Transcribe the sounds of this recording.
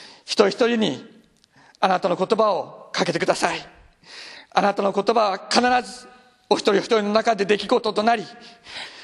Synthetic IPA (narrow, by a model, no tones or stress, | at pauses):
çi̥t̪o̞ɾiçi̥t̪o̞ɾʲiɲ̟i | anat̪ano̞ko̞t̪o̞bao̞kake̞t̪ekɯ̟d̪asai | a̰nat̪ano̞ko̞t̪o̞baβakanaɾazɨ | o̞çi̥t̪oɾʲioçi̥t̪o̞ɾino̞nakad̪e̞d̪e̞kʲiɡo̞t̪o̞t̪o̞naɾʲi